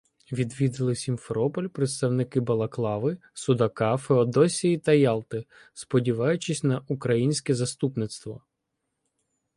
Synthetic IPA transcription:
ʋʲid̪ʋʲid̪ɪlˠɪsʲinfeɾɔpɔlʲpɾet̪st̪ɐwnɪkɪbɐlˠɐklˠɑʋɪ | sʊd̪ɐkɑfeɔd̪ɔsʲijit̪ɐjɑlˠt̪ɪ | spɔdʲiʋɑjʊt͡ʃɪsʲnɐʔukɾɐjinʲsʲkɛzɐst̪upnɪt̪st̪ʋɔ

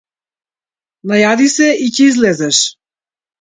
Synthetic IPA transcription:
najad̪isɛicɛizlɛzɛʃ

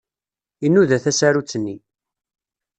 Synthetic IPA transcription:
inːuðæθæsæɾut͡sːənːi

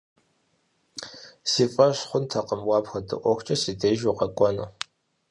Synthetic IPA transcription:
siːfʼɐɕχʷʊntʰɐqəmwɑːpxɐdɨ̰ʔʷɔxʷt͡ʃʼɐsiːdeːʒuqɐkʷʼɔnu

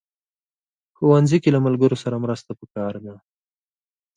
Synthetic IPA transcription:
xowanzikelamalɡəɾosaɾamɾəst̪apəkɑɾd̪a

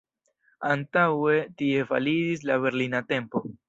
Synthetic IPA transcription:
antawe̞tie̞fa̰lid͡ʒis̬laβe̞ɾlinate̞mpo̞

